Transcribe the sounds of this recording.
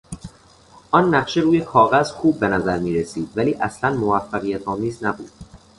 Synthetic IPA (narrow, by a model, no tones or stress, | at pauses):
ʔɒnːæχʃeɾuːjekʰɒːɣæzxuːb̚ːe̞næzæɾmiːɾesiːd̪̥væliːʔæslænmovæfːæɣijæt̪ʰɒːmiːznæbṵːd̪̥